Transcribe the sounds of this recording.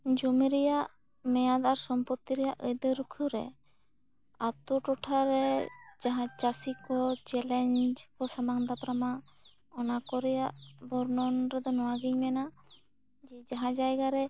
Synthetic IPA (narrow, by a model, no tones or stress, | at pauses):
d͡ʒumiɾɛjaʔ | mɛjad̪aɾsɔmpɔt̪ːiɾɛjaʔəjd̪ɔɾukʰuɾɛ̰ | at̪uʈɔʈʰaɾɛd͡ʒaɦãt͡ʃasikɔt͡ʃɛlɛɲd͡ʒkɔsamaŋd̪apɾama | ɔnakɔɾɛjaʔbɔɾnɔnɾɛd̪ɔnɔwaɡiɲmɛna | d͡ʒɛd͡ʒaɦãd͡ʒajɡaɾɛ